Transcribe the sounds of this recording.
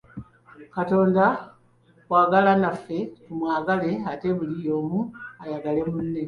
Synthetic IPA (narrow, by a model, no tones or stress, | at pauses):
kato̞ːnda | waːɡalanafːe̞tumwaːɡale̞ate̞βulijo̞ːmuajaɡale̞munːe̞